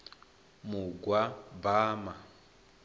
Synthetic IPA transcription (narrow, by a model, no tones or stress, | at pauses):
muɡwabaːma